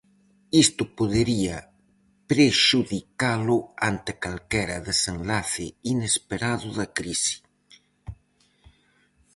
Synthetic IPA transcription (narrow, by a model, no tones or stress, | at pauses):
ist̪ʊpoðeɾiɐ | pɾeʃuðikalʊant̪ɪkalkɛɾɐðesenlaθɪinespeɾaðʊðakɾisi̥